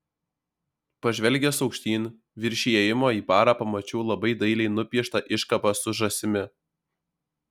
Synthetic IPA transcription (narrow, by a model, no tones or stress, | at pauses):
pɐʒʲʋʲɛlʲɡʲɛsɒʊkʃʲt̪ʲiːnʲ | ʋʲɪɾʲʃʲiɛjɪmoːiːpɑːɾɑːpɐmɐt͡ʃʲɛʊlˠɐbɐɪd̪ɐɪlʲɛɪnʊpʲiɛʃt̪ɐʔɪʃkɐpɐsʊʒɐsʲɪmʲɪ